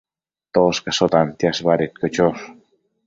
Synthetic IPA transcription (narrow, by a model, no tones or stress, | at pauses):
t̪oskasot̪ant̪jasβaɾit̪̚kot͡ʃos